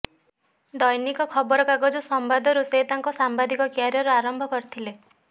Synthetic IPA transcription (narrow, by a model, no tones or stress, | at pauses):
d̪ɔjnikɔkʰɔbɔɾɔkaɡɔd͡ʒɔsɔmbad̪ʱɔɾuseɦt̪aŋkɔsambad̪ikɔkjaɾjɔɾeaɾɔmbʱɔkɔɾit̪ʰile